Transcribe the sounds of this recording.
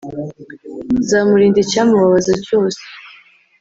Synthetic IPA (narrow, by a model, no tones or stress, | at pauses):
zaːmuɾiːndicaːmuβaβazaco̞ːse̥